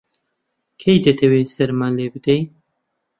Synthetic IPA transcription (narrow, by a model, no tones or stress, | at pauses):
kʰejd̪ɐt̪ʰɐwesɐɾmanleːbɨd̪ɛj